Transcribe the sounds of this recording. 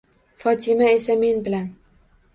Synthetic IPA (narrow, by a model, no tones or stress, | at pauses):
fɒt̪ʰɪmae̞same̞nbɪlan